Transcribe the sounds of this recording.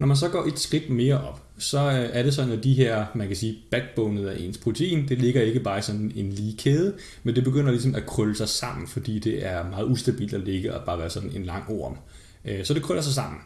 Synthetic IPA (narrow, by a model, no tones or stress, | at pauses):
nɒmæns̬ɒ̽ɡ̥ɒ̰ːʔe̝d̥sɡ̥ʁid̥me̝ːɐʔɒ̽b̥ | sɒ̽æɐɾe̝s̬ɒ̽d̥n̩æd̥iɦeɐ̰mænkʰæsiːb̥æɡ̥̚b̥ɔʊnð̩ˠæɐʔe̝̰nspʰʁo̝t͡sʰe̝ḭːnd̥e̝le̝ɡ̥ɐe̝ɡ̥əb̥ɑ̈ːisɒ̽d̥n̩e̝nliːkʰeːð̞ˠə | mend̥e̝b̥e̝ɡ̥øn̰ɐlisɒ̽mækʰʁœləsɑ̈ɪsɑ̈m̰n̩fɒ̽d̥ḭːd̥e̝ʔæɐmɑ̈ːð̞̩ˠusd̥æb̥ḭld̥æle̝ɡ̥əɒb̥ɑ̈ːɡ̥æɐsɒ̽d̥n̩e̝nlɑ̈ŋ̰oːɐ̰m | sɒ̽d̥e̝kʰʁœlɐs̬ɑ̈ɪs̬ɑ̈m̰n̩